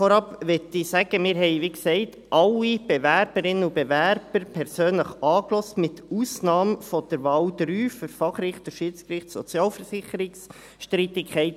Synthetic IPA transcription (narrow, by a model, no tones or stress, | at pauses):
fɔɾɑpʋɛtisæɡ̥əmɪːɾɦɛɪʋiːksɛɪt | ʔɑlːib̥evæɾb̥əɾɪnənub̥evæɾb̥əɾpʰɛɾsøːnləχɑːklɔstmɪtuːsnɑːmfɔd̥əɾʋɑːld̥ɾyːføɾfɑχrɪχtəʃiːt͡skɾɪχtsɔ̰t͡sjɑːlfəɾsɪχəɾɪks | ʃtɾɪt̪ɪkχɛɪt